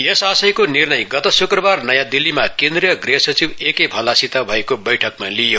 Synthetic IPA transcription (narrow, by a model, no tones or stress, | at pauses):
jʌsasʌjkonirnʌjɡʌt̪ʌsukrʌbarnʌjãd̪ilːimakẽnd̪rijʌɡreɦsʌt͡sibekejbʱʌlasit̪abʱʌekobʌjʈʰʌkmalijo